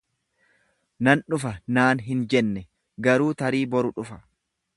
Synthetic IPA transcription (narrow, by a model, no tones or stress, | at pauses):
nɐnᶑʊfɐnaːnɦɪnd͡ʒɛnːɛ | ɡɐɾuːt̪ɐɾiːbɔɾʊᶑʊfɐ̥